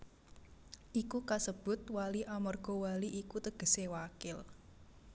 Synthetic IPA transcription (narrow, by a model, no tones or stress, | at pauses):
ʔikukasəb̥ʊ̤t̪̚waliʔamɔrɡ̥ɔ̤waliʔikut̪əɡ̥ə̤sewakɪl